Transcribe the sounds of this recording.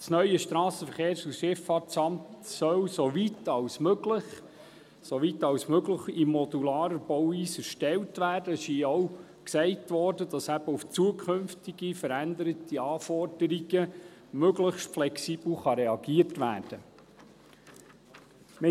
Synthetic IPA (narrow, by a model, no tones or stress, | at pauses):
snœʏjəʃtɾɑːsəfəɾχeːɾsusʃɪfɑːtt͡sɑmt̪sœwsoʋitɑwsmøɡləχ | soʋitɑwsmøɡləχimːɔd̪ulɑːɾəb̥ɔwiːsəɾʃtɛltʋæːɾd̥əɛsiɔw | ksɛɪtʋɔɾdədɑsæbəuft͡suəkʰɵnftiɡ̥ifəɾænd̪əɾətiɑːfɔrd̥əɾiɡəmøɡləχʃtflɛksib̥l̩χɑɾɛɑɡiətʋæ̰ːrd̥ə | m